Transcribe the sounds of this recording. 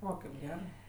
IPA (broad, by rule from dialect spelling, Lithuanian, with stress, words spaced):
ˈoː kɐɪp ˈɡʲæːrɜ